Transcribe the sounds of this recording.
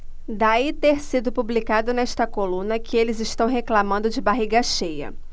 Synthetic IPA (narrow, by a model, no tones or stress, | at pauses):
d̪ait̪eɾsid̪ʊpublikad̪ʊnɛʃt̪ɐkolũnɐkɪelɪzɪʃt̪ɐ̃w̃ɦeklamɐ̃nd̪ʊd͡ʒɪbaɦiɡɐʃejɐ̰